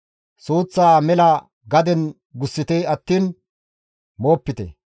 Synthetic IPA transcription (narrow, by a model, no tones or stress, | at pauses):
suːt͡sːaːmɛlɐ | ɡɐd̪ɛn | ɡʊsːɪt̪eɐt̪ːiːn | moːpːɪt̪ɛ̰